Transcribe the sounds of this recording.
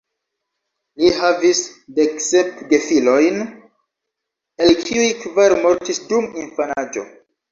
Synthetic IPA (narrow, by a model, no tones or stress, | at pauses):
lihavisdeksepde̞filo̞jn | elkʰiujkvaɾmo̞ɾtisdumiɱfanad͡ʒo̞̰